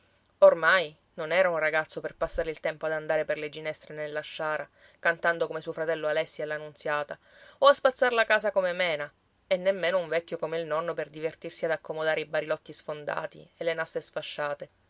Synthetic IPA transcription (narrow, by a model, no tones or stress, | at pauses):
ormaj | nonɛːɾaunraɡat̪sːoperpasːaːɾeilt̪ɛmpoad̪and̪aːɾeperled͡ʒinɛst̪ɾenelːaʃːaːɾa | kant̪and̪okomesuofɾat̪ɛlːoalɛsːiɛlːanunt̪sjaːt̪a | oaspat̪sːarlakaːsakomemɛːna | ɛnːemːeːnouɱvɛkʲːokomeilnɔnːoperd̪ivert̪irsiad̪akʰːomod̪aːɾeibaɾilɔt̪ːisfond̪a̰ːt̪ḭelːenasːesfaʃːaːt̪e